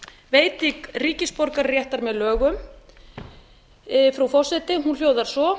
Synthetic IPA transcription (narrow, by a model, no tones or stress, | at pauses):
veːjt̪ɪkriːcɪspɔɾkaɾrjɛht̪aɾmɛðlœːɣʏm | fɾawfɔr̥sɛt̪ɪɦunljoːwðaɾ̥sɔ